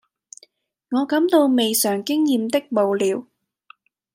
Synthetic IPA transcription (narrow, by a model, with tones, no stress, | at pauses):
ŋɔː˨˧kɐ˨˥mt̪o˧wme˨jsœː˨˩ŋkɪ˥ŋjiː˨mt̪ɪ˥k̚mo˨wliː˨˧˥w